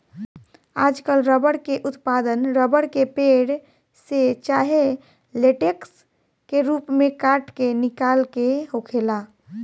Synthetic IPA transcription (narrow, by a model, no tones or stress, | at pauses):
aːd͡ʒkəlɾəbəɽkeʔʊt̪pad̪ənɾəbəɽkepeɽ | set͡ʃaːɦe | leʈeks | keɾuːpmẽkaʈkenɪkalkeɦokʰela